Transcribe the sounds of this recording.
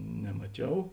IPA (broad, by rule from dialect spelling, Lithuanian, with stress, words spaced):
nʲɛmɐˈt͡ʃʲɛʊ